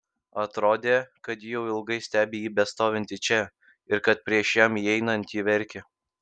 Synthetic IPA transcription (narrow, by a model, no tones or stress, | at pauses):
ɐt̪ɾoːd̪ʲeːkɐt̪jɪjɛʊɪlˠɡɐɪsʲt̪ʲæːbʲeːjiːbʲɛst̪oːʋʲɪnʲt̪ʲɪt͡ʃʲɛ | ɪɾkɐt̪̚pʲɾʲiɛʃjɛmiɛɪnɐnʲt̪ʲjiːʋʲɛɾʲkʲɛ